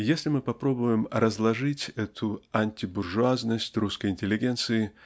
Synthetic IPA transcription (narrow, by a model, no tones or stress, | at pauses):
jesʲlʲɪmɨpɐpɾo̞bʊjɪmɾəzlˠɐʐɨtʲɛt̪ʰʊɐnʲtʲɪbʊrʐʊaznəsʲtʲruskəjɪnʲtʲɪlʲɪɡʲent̪sɨɪ